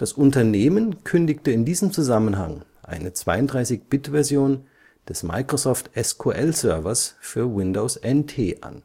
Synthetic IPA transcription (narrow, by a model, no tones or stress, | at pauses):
d̥asʔʊntɐneːmənkʰʏndɪktəɪndiːzəmt͡suzamənɦa̰ŋʔa̰ɪnət͡sv̥aɪʊntd̥ʁaɪsɪçb̥ɪtv̥ɛɐzjoːn | d̥ɛsma̰ɪkʁ̥osɔftʔɛskʰoːʔɛlsœɐvɐsfyːɐwɪndoʊsʔɛntʰḛːʔa̰n